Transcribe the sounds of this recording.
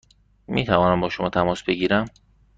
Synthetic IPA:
miːt̪ʰævɒːnæmbɒːʃomɒːt̪ʰæmɒːsbe̞ɡiːɾæm

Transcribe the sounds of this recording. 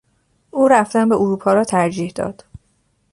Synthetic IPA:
ʔuːɾæft̪ænbeʔuɾuːpʰɒːɾɒːt̪ʰæɾd͡ʒiːhd̪ɒ̰ːd̪̥

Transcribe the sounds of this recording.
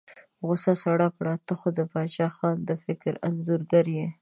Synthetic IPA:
ɣʊsɑsaɽakɽɑt̪əxod̪əpɑʃɑxɑnd̪əfɪkɾanzuɾɡaɾje

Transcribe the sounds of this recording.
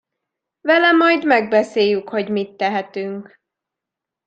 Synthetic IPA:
vɛlɛmɒjd̪mɛɡ̚bɛseːjykho̞ɟmit̪ːɛɦɛt̪yŋk

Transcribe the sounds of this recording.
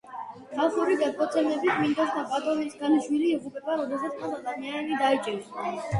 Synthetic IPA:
t̪ʰaχuɾiɡad̪kʼɔt̪sʰɛnɛbit̪ʰmind̪asd̪apʼat̪ʼɔvinsɡaniʃwiliːʁupʼɛbaɾɔd̪ɛsat̪sʰkʼɔlˠad̪amianɛlid̪ait͡ʃʼɛɾsa

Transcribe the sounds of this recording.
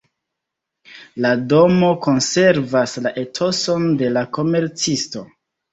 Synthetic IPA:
lado̞mo̞ko̞nse̞ɾvaslaʔe̞tʰo̞so̞nde̞lako̞me̞ɾt͡sisto̞

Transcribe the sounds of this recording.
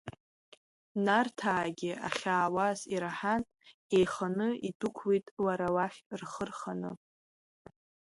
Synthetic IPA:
nartʰaːɡʲɪa̰χʲaːwaziɾaħan | ejχanɨidukʷʰwitʼlaɾawaχʲrχərχanɨ

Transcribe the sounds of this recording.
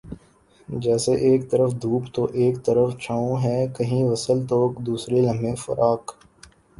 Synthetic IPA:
d͡ʒɛːseʔeːk̚t̪əɾəfd̪ʱuːpt̪oʔeːkt̪əɾəft͡ʃʰaːõɦɛːkɐɦĩʋɐsəlt̪oːkd̪uːsɾelɐ̃mbẽfɐ̰ɾʔaːk

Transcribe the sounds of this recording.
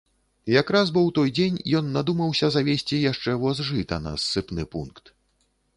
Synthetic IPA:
jakɾazbɔwt̪ɔjd͡zʲenʲjɔnːad̪umɐwsʲɐzavʲesʲt͡sʲijaʂt͡ʂɛvɔzʐɨt̪ɐnɐ̰sːɨpnɨpunkt̪

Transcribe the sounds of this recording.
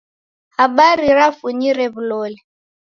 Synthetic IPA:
haɓaɾiɾafuɲiɾɛβulɔːlɛ

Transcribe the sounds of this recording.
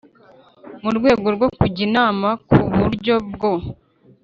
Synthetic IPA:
muɾɡwe̞ːɡoɾɡo̞kuɟinaːmakuβuɾɟo̞bɡo̞

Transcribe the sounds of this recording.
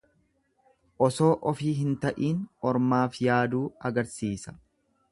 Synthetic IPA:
ʔɔso̞ːʔɔfiːɦɪnt̪ɐʔiːnɔɾmaːfjaːd̪uːɐɡɐɾsiːsɐ̥

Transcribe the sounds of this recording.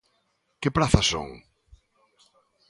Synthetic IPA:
kɪpɾaθɐso̰ŋ

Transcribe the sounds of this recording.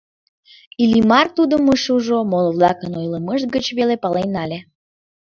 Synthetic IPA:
ilimɑrt̪ud̪əməʃuʒomolβlɑkənojləməʒt̪̚ɡət͡ɕβelepɑlejnɑlʲe

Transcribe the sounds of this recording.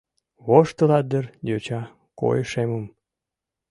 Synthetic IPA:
βoʃt̪əlɑd̪ərjøt͡ɕɑ | ko̰jəʃeməm

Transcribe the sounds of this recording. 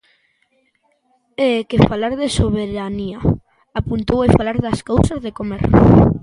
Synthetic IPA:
ekefalaɾðesoβeɾania | apunt̪owefalaɾðaskowsazðekomḛɾ

